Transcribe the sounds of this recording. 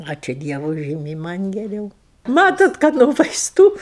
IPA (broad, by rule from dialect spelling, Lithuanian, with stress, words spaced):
ˈɑːt͡ʃʲuː ˈdʲiɛʋʊ ˈʒʲiːmʲɛɪ ˈmɐnʲ ɡʲɛˈrʲɛʊ ˈmɑːtoːt kɐt noː ʋɐɪsˈtuː